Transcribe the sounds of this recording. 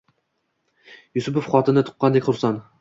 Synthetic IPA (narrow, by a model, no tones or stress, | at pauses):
jʊsʊpofχɒt̪ɪnɪt̪ʰʊ̥qːɑnd̪ekʲχʰʊɾsɑn